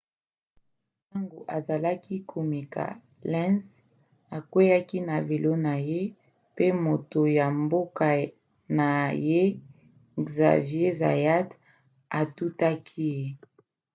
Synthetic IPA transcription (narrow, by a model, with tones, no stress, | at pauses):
ta˦ŋɡo˨ʔa˨za˨la˦ki˦kʰo˨mi˨ka̰˨ | lɛ̃˦ns | a˨kwe˦ja˦ki˦na˨ve˨lo˦na˨je˦ | pe˦mo˨to˨ja˨mbo˦ka˨ | na˨je˦ | ɡza̰˨vje˦za̰˨ja˦t | a˨tu˦ta˦kʰi˦